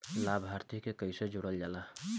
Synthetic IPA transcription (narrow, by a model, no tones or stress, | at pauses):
labʱɦaɾt̪ikekəjsed͡ʒoɽəld͡ʒala